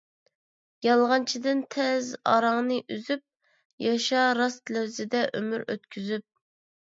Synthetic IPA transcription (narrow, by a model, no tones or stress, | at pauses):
jɑlˠʁɑnt͡ʃʰid̪ɪnt̪ʰɛzɑ̰ɾɑŋnɨʔyzyp̚ | jɑʃɑɾɑst̪læwzɪd̪ɛʔømyɾø̰t̪kʲʰyzyp̚